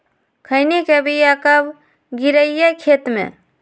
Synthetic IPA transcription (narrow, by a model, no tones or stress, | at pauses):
kʰəɪnikebijakəb | ɡiɾəijakʰeːt̪mḛ̃